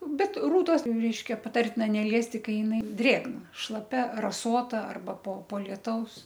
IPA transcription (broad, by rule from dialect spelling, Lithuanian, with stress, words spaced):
ˈbʲɛt ˈruːtoːs ˈrʲɛɪʃʲkʲɛ pɐˈtɐrʲtʲɪnɐ nʲɛˈlʲiɛsʲtʲɪ ˈkɐɪ jɪˈnɐɪ ˈdʲrʲeːɡnɐ ʃlˠɐˈpʲɛ rɐˈsoːtɐ ˈɐrbɐ poː poː lʲiɛˈtɐʊs